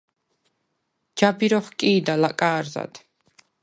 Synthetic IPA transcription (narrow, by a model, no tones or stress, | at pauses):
d͡ʒabiɾɔχkʼiːd̪alakʼaːɾza̰d̪ʰ